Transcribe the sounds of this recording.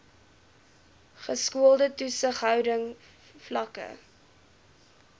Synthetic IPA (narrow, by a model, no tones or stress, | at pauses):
χəskuəlˠdətusəχɦœwdəŋ | flɐkə̰